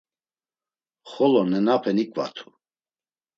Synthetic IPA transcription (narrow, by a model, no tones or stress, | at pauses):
χɔlɔnɛnapʰɛnikʼva̰t̪ʰu̥